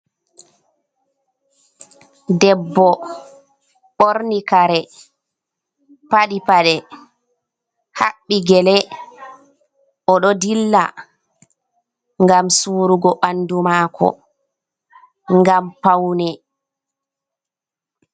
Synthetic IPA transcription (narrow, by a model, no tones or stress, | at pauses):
dɛbːɔ | ɓoɾnikaɾɛ | paɗipaɗɛ | haɓːiɡɛlɛ | ʔɔɗɔdilːa̰ | ŋɡamsuːɾuɡɔɓanːdumaːkʰɔ̰ | ŋɡampawnɛ